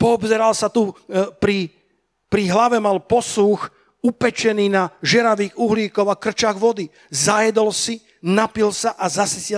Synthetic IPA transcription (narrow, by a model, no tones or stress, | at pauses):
pɔːbzɛɾalsat̪upɾi | pɾiɦlaʋɛmalpɔsux | upɛt͡ʃɛniːnaʒɛɾaʋiːɣuɦliːkɔʊakr̩t͡ʃaɣʋɔd̪i | zajɛd̪ɔlsi | napilsaʔazasisɪɛ